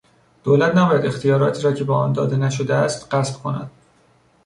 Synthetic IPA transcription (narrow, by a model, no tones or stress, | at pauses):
d̪̥oːlæt̪ʰnæbɒːjæd̪e̞xt̪ijɒːɾɒːt̪ʰiːɾɒːcʰe̞bɒːʔɒːnd̪ɒ̰ːd̪e̞næʃod̪eæst̪ɢæsb̥kʰo̞næ̰d̪̥̚